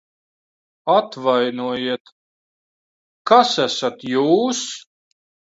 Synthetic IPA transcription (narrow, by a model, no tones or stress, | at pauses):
at̪vajnuɔjiɛt̪ | kasæsat̪juːs